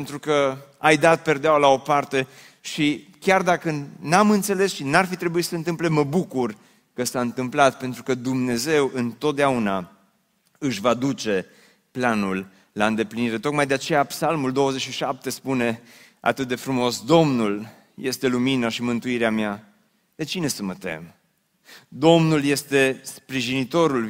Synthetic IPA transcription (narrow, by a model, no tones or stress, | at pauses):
nt̪ɾukəajd̪at̪̚perd̪eawlao̞part̪e̞ | ʃikʲard̪akənamɨnt̪se̞le̞sʃinarfit̪ɾe̞buit̪səɨnt̪ɨmple̞mːəbukur | kəsaɨnt̪ɨmplat̪̚pe̞nt̪ɾukəd̪umne̞ze̞wɨnt̪ot̪̚d̪eauna | ɨʃvad̪ut͡ʃe̞ | planulː | aɨnd̪e̞pliniɾe̞t̪o̞k̚majd̪eat͡ʃe̞japsalmuld̪o̞wəze̞t͡ʃʃiʃap̚t̪e̞spune̞ | a̰t̪ɨt̪̚d̪e̞fɾumo̞sd̪o̞mnul | je̞st̪e̞luminaʃimɨnt̪uiɾeamja | d̪̥et͡ʃine̞səmət̪e̞̰m | d̪o̞mnulje̞st̪e̞spɾiʒinit̪o̞ɾul